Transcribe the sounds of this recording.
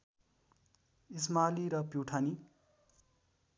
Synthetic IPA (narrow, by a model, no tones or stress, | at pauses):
ismaliɾʌpjuwʈʰani